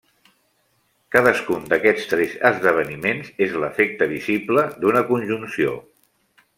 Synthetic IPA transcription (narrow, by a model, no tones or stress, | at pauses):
kaðəskund̪əkɛst̪ɾɛzəzðəβ̞ənimenzezləfek̚t̪əβizibləd̪unəkunʲʒunsio̰